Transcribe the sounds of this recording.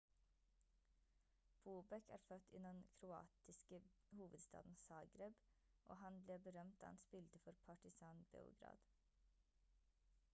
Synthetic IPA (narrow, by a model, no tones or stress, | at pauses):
b̥uːbɛkʰæ̰ːɾfœt̪ɪnɛnkʰɾʊɑ̰ːt̪ɪskə | huːʋəd̪st̪ɑ̰ːd̪n̩sɑːɡɾɛb | ʔo̰ːhɑnbleːbəɾœmt̪̚d̪ɑ̰ːhɑnspɪlt̪əfɔɾpʰɑʈɪsɑːnbḛːʊ̰ɡɾɑ̰ːd̪̥